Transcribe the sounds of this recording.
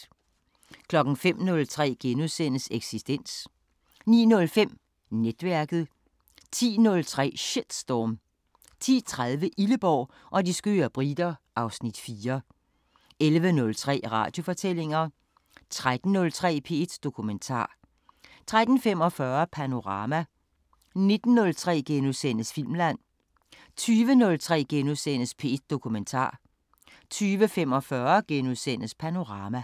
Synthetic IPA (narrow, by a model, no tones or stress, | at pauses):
kʰlɒ̽ɡ̥n̩fem̰nɔ̽lt͡sʰʁɛ̰ːɡ̥enuðˠsen̰əseɡ̥sisd̥en̰s | nḭːnɔ̽lfem̰ | ned̥ʋæɐɡ̥ð̩ˠ | t͡sʰḭːnɔ̽lt͡sʰʁɛ̰ːɕed̥sd̥ɒːm | t͡sʰḭːt͡sʰʁað̞ˠʋəʔiləb̥ɒʊ̰ | ʔɒ̽disɡ̥ø̰ːɐb̥ʁid̥ɐʔɑ̈ʊsnid̥fiːɐ | elʋənɔ̽lt͡sʰʁɛ̰ːʁɑ̈ːd̥jo̝fɒ̽t͡sʰel̰e̝ŋɐ | t͡sʰʁad̥n̩nːɔ̽lt͡sʰʁɛ̰ːpʰe̝ed̥d̥o̝kʰument͡sʰɑ̰̈ː | t͡sʰʁad̥n̩fem̰ɒ̽fɶɐpʰæno̝ʁɑ̈ːmæ | ne̝d̥n̩ːɔ̽lt͡sʰʁɛ̰ːɡ̥enusen̰əsfil̰mlæn̰ | t͡sʰyːʋənɔ̽lt͡sʰʁɛ̰ːɡ̥enuðˠsen̰əspʰe̝ːd̥̚d̥o̝kʰument͡sʰɑ̰̈ː | t͡sʰyːʋəfem̰ɒ̽fɶːɐɡ̥enuðˠsen̰əspʰæno̝ʁɑ̈ːmæ